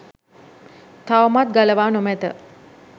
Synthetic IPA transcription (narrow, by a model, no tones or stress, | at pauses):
t̪ʰawmat̪̚ɡaləʋaːnomɛt̪ə̰